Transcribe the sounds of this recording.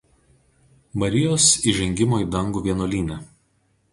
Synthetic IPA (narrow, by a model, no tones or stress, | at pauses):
mɐɾʲɪjoːsiˑʒʲɛŋʲɡʲɪmoːiːˑd̪ɐŋɡuːʋʲiɛnoːlʲiːnʲɛ